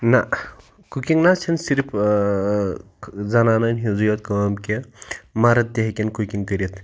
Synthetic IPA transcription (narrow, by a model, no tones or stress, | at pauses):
na | kukiŋnat͡sʰinsiɾpʰ | zananɐnɦizujɐt̪kɐwamkemaɾɐt̪̚d̪eɦekʲenkukiŋkəɾit̪